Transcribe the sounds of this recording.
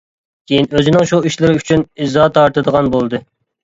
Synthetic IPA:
kʲʰejinøzɪnɪŋʃuiʃlɪɾɪyt͡ʃʰynizɑt̪ʰɑɾt̪ɨd̪əʁɑnbolˠd̪ɨ

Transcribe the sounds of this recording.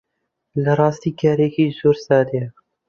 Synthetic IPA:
lɐɾˤɑːst̪iːkʰaːɾekiːzoːɾsaːd̪e

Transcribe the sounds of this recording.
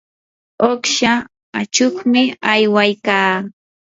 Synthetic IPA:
oχʃa | at͡ʃoχmɪajwajkaː

